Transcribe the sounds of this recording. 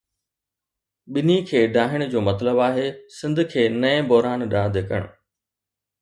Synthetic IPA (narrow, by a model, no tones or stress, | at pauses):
ɓɪnikʰeːɖʱaːɦɪɽ̃d͡ʑoːmɐt̪ləbaːɦeːsɪ̃nd̪ʱkʰeːnɐẽbɔɦɾaːnɗãːd̪eːkə̰ɽ̃ʊ